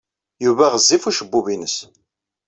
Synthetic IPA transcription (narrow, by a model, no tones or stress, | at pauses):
juvæʁəzːifuʃəbːuvinəs